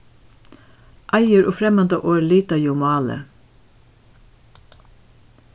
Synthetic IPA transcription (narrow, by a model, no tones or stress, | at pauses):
ʔɑɪəɾʔoːfɾɛmɑnd̪əʔoːɛliːt̪ɑjʊmɑːlə̰